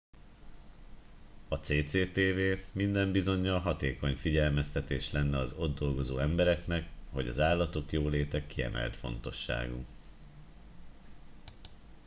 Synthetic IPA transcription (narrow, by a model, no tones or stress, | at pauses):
ɒt̪seːt̪seːt̪eːveːmind̪ɛmbizo̞ɲːɒlɦɒt̪eːko̞ɲfiɟɛlmɛst̪ɛt̪eːʃlɛnːɛɒzo̞d̪dːo̞lɡo̞zo̰ːɛmbɛɾɛknɛkho̞ɟɒ̰zaːlːɒt̪o̞kjoːleːt̪ɛkːiɛ̰mʔɛ̰lt̪fo̞̰nt̪o̞ʃːa̰ːɡṵ